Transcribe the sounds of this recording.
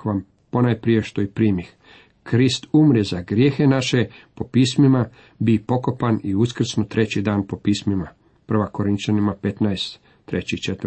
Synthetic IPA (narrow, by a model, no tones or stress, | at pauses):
ʋam | ponajpɾije̞ʃt̪o̞ipɾiːmix | kɾist̪umɾezaɡɾje̞ːxenaʃe̞po̞piːsmima | bipo̞ko̞paniuskr̩snot̪ɾe̞t͡ɕid̪aːnpo̞piːsmima | pr̩ʋako̞ɾint͡ʃanimapet̪najst̪ː | ɾet͡ɕit͡ʃet̪